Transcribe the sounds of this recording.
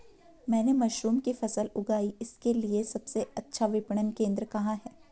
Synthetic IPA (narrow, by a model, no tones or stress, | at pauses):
mɛ̃ːnemɐʃɾuːmkifɐsəlʊɡaːiɪskeliesɐbseɐtːʃʰaʋɪpɳənkẽːnd̪ɾəkɐɦaɦɛː